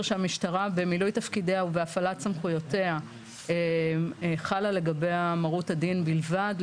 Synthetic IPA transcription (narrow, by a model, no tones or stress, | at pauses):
ʁʃeamiʃtaʁabe̞milujtafkidehaubeafalatt͡samχujo̞te̞a | e | χalale̞ɡabejamaʁutadinbilvad